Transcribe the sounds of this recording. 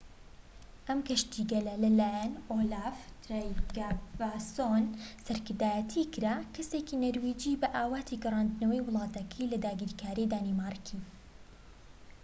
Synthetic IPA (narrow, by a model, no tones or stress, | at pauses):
ʔɐmkɐʃt̪iɡɐlɐlɐlaːjɛnʔoːlaːft̪ɾajɡavasonsɐɾkɨɾd̪aːjɐt̪ʰikɨɾakʰɐseːkiːnɐɾwiːd͡ʒiːbɐʔaːwaːt̪ʰiɡɐrˤaːnd̪nɐwɐjwʊlˠɑːt̪ɐkʰɐjlɐd̪aːɡiːɾkʰaːɾid̪aːnimaːrˤkʰi